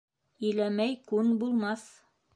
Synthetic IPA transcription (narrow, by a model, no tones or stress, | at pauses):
ɵ̆jlæmæjkʉnbulˠmɑθ